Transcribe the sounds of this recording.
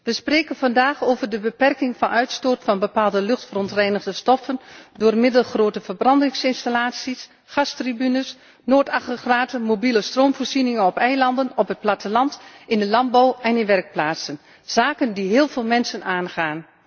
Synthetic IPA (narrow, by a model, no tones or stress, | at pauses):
ʋəspreːkənvɑndaːxoːvərdəbəpɛrkɪŋfɑnœɥtstoːtfɑnbəpaːlˠdəlɵxtfərɔntrɛjnəɣdəstɔfəndʊːrmɪdəlˠxroːtəvərbrɑndɪŋsɪnstalaːtsis | χɑstribynəs | noːtaxrəxraːtəmobiləstroːmvoːrzinɪŋənɔpɛjlɑndənɔpɦət̚platəlɑntɪndəlɑmbawɛnɪnʋɛrk̚plaːtsən | z̥aːkəndiɦɪːlˠvɪːlˠmɛnsənaːnχaːn